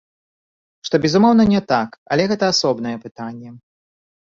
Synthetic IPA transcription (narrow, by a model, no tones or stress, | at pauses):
ʂt̪ɔbʲɛzumɔwnɐnʲɛt̪akɐlʲɛɣɛt̪ɐasɔbn̪ɐjɛpɨt̪anʲːɛ